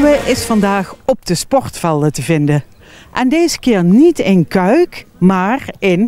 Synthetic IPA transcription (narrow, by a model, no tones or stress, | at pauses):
wəʔɪsfɑndaːχɔp̚dəspɔɹtfɛlˠətəvɪndə | ʔɛndejzəkɪːɹnitɪnkœɥkmaːrɪn